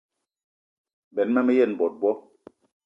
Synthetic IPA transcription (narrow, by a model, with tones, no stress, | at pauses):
bɛ˨˦nmɛ˦mɛ˦jɛ˦˨n˨bɔ˨t̚bɔ˦